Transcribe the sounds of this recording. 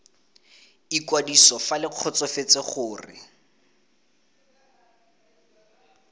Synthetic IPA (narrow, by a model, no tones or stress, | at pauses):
ikwadisɔfalɪq͡χʰɔt͡sɔfet͡seχʊːrɪ̰